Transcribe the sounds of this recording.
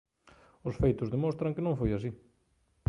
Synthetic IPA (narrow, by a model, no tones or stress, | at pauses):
ʊsfejt̪ʊzðemõst̪ɾɐŋkɪnõŋfojas̬i